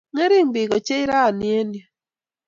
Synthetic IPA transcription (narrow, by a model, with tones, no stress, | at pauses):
ŋe˦ɾi˦mbi˨ɡo˨t͡ʃe˦i˦ɾa˦˨nje˦nja˨